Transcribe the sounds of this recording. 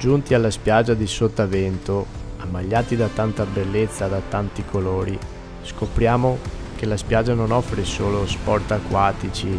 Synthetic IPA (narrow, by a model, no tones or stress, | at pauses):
d͡ʒunt̪ialːaspjad͡ʒːad̪isot̪ːavɛnt̪o | amːaʎːaːt̪id̪at̪ːant̪abelːet̪sːad̪at̪ːant̪ikʰoloːɾi | skopɾjaːmo | k̟elaspjad͡ʒanonɔfːɾesoːlospɔrt̪akːwaːt̪it͡ʃi